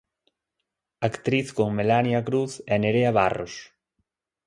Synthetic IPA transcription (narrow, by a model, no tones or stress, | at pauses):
akt̪ɾiθkoŋmelanjakɾuθɛneɾeaβaro̰s